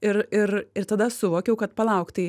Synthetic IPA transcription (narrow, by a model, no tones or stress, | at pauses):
ɪɾɪɾɪɾt̪ɐd̪ɐsʊʋoːkʲɛʊkɐt̪pɐlˠɐʊkt̪ɐɪ